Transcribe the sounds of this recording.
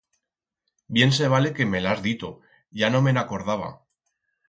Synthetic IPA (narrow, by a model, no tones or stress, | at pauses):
bje̞ns̬e̞β̞ale̞ke̞me̞lazðit̪o | ʝano̞menako̞ɾðaβ̞a̰